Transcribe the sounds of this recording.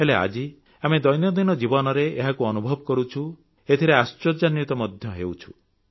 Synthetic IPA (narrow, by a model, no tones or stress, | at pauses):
ɦelea̰d͡ʒi | amed̪ɔjnjɔd̪inɔd͡ʒibɔnɔɾeeɦakuɔnubʱɔbɔkɔɾut͡ʃʰu | et̪ʰiɾeast͡ʃɔd͡ʒanjut̪ɔmɔd̪ʱjɔɦewt͡ʃʰu̥